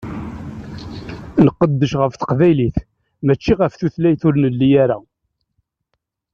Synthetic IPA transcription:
nəqːəd̪ːəʃʁəfθə̥qvæjliθ | mæt͡ʃːiʁəfθuθlæjθʊɾnəlːijaɾa̰

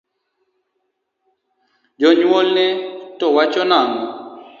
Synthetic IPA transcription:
d͡ʒɔɲwɔlnɛtɔwat͡ʃɔnaŋɔ

